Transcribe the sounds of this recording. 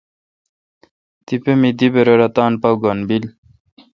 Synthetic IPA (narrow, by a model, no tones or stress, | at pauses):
t̪ipemid̪ibeɾoɾɐt̪aːnpɐwɡonbil